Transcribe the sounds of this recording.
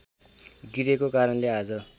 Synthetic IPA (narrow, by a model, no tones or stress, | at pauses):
ɡiɾekokaɾʌnlead͡zʌ